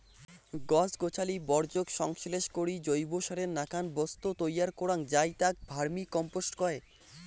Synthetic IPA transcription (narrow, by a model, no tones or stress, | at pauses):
ɡɔsɡot͡ɕʰalibɔɾd͡ʑoɡʃɔŋʃleʃkoɾid͡ʑojboʃaɾeɾnakanbɔst̪ot̪ojaɾkoɾaŋd͡ʑajt̪ak̚bʱaɾmikɔmposʈkɔe